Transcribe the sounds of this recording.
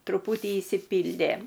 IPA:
trʊˈpʊtʲiː ɪʃʲsʲɪˈpʲiːlʲdʲeː

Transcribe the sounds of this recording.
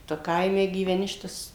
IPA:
ˈtʊ ˈkɐɪmʲɛ ɡʲiːʋʲɛˈnʲɪ ˈʃʲɪtɐs

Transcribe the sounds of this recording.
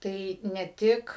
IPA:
ˈtɐɪ nʲɛ ˈtʲɪk

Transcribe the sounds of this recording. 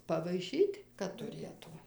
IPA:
pɐʋɐɪˈʃʲiːtʲ kɐt tʊˈrʲeːtʊ

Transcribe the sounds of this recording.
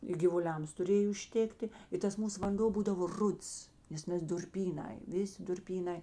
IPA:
ɪ ɡʲɪʋʊˈlʲɛms tʊˈrʲeːj ʊʃʲˈtʲeːktʲɪ ɪ ˈtɐs ˈmuːs ʋɐnˈdoː ˈbuːdɐʋoː ˈrʊts ˈnʲɛs nʲɛs dʊrʲˈpʲiːˌnɐɪ ˈʋʲɪˌsʲɪ dʊrʲˈpʲiːˌnɐɪ

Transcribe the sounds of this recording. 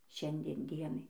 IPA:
ˈʃʲɛnʲdʲiɛn ˈdʲiɛnɐɪ

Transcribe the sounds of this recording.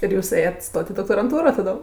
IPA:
ɪr ˈjuːs ˈeːjɛtʲ ˈstoːtʲ ɪ doːktoːrɐnˈtuːroː tɐˈdoːm

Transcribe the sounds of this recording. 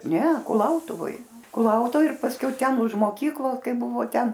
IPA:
ˈnʲɛ kʊˈlˠɐʊtʊʋoːj kʊˈlˠɐʊtʊʋoːj ɪr pɐsʲˈkʲɛʊ ˈtʲɛn ʊʃ moːˈkʲiːklˠoːs ˈkɐɪp ˈbʊʋoː ˈtʲɛn

